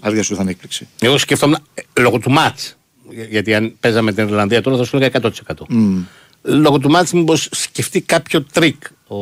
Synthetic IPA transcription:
ɐɾʝɐsuuθɐnek̚plikseeɣosceft̪omlo̞ɣot̪umɐt͡s | ʝɐt̪iɐnpe̞zɐmet̪iniɾlɐnðiɐt̪olɐθɐsuliɣɐekɐt̪o̞t̪ise̞kɐt̪o̞ | lo̞ɣot̪̬umɐt͡smubossce̞ft̪ikɐpço̞t̪ɾik | o

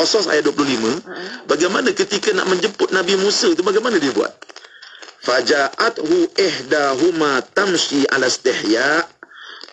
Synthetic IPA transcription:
ɔsɔsa̰jat̚duəp̬lʊɦlimə̃baɡajmanãkət̪ikana̰ʔmə̃ɲd͡ʒəpʊt̪̚nãbimũsət̪ubaɡajmanãdiəbua̰t̪̚ | fad͡ʒaʔat̪huʔɪhdaɦumat̪amʃia̰last̪ɪhjaʔ

